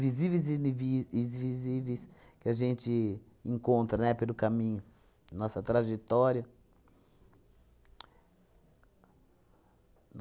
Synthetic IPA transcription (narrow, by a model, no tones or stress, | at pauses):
vizivejzvĩzvizivejskɪaʒẽnt͡ʃɪ | ẽŋkõnt̪ɾɐnɛpelʊkamĩɲʊ | nɔsɐt̪ɾaʒet̪ɔɾjɐ | n